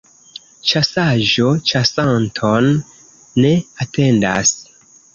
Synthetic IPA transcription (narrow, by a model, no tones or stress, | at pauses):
t͡ʃasaʒo̞t͡ʃasantʰonː | e̞ate̞nda̰s